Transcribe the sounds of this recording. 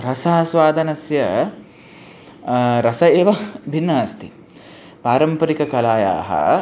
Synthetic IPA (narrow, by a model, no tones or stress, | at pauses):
ɾɐsaːsʋaːd̪ʱɐnɐsjɐ | ɾɐsɐeːʋɐbʱinːaːst̪ʰḭ | paːɾɐmpɐɾikɐkɐlaːja̰ːɦɐ̰